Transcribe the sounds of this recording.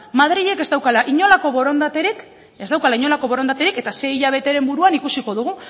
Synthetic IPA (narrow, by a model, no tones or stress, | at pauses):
maðɾiʎe̞ke̞zd̪awkalaʔiɲo̞lako̞βo̞ɾond̪at̪ɾik | e̞zawkalaiɲo̞lako̞βo̞ɾo̞nd̪at̪e̞ɾike̞t̪ase̞iʎaβ̞e̞t̪e̞ɾe̞mbuɾuanikusiko̞ð̞uɣ̞u